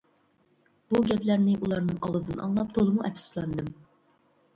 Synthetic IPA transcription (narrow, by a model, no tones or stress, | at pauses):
buɡʲɛplæɾnɪʔulˠɑɾnɨŋʔɑwzɨd̪ɨnʔɑ̰ŋlˠɑp̚t̪ʰolˠɨmuʔɛpʲsslˠɑnd̪ɨm